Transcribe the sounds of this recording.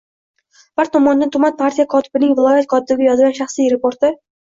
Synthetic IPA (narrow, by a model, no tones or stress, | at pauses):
b̥aɾt̪ʰɒmɒnd̪ant̪ʰʊmat̪̚pʰaɾt̪ʰijakʰɒt̪ʰɪ̥bɪnɪŋvɪlˠɒjat̪̚kʰɒt̪ʰɪbɪɡʲajɒzɡʲanʃɑχsijɾɪpoɾt̪ɪ